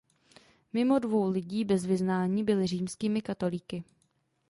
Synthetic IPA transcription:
mɪmo̞dvo̞wlɪɟiːbɛzvɪznaːɲiːbɪlɪr̝iːmskiːmɪkat̪o̞liːkɪ

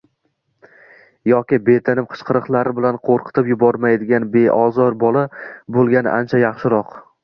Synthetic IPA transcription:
jɒkʲɪbe̞t̪ʰɪnɪpqʰɨ̥ʃqʰɨɾɨqlˠaɾɪbɪlanqʰoɾqʰɨ̥t̪ʰɪpjʊbɒɾmajd̪ɪɡʲanbe̞ʔɒzɒɾbɒlˠabolˠɡʲanɪʔant͡ʃʰajɑχʃɪɾɒq

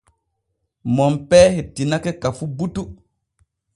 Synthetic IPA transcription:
mɔmpɛːhetːinakekafubutu

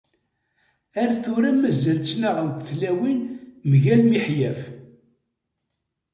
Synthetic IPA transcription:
æɾθʊɾæmːæzːælt͡sːnaʁənt̪əθlæwinmʝælmiħjæf

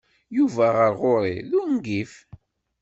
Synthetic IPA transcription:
juvæʁəɾʁoɾˤḭðʊɾnɡif

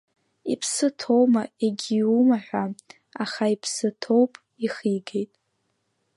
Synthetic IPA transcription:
ipʰsɨtʰo̞wmaeɡʲiumaħᶣʷa | aχaipʰsɨtʰo̞wpʼ | iχiɡejtʼ

